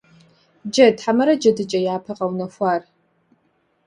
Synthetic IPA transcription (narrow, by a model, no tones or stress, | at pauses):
d͡ʒɐtħamɐɾɐd͡ʒɐdɨt͡ʃʼɐjaːpʰɐqɐwnɐxʷɑːr